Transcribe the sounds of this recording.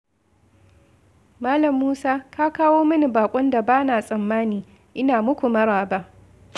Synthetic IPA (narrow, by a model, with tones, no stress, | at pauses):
maː˦lɐ˨mːuː˦saː˦kaː˦kaː˦woː˦mɐ˦ni˨baː˨kʷʼʊ˦nda˨baː˦naː˨sʼɐ˨mːaː˦niː˨ | ʔɪ˦naː˨mʊ˦kʷu˨mɐ˦ɽaː˨ba˦ʔ